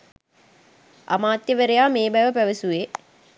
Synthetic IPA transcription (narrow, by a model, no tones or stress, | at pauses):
a̰maːt̪jəʋəɾejaːmeːbæʋəpæʋəsuʋe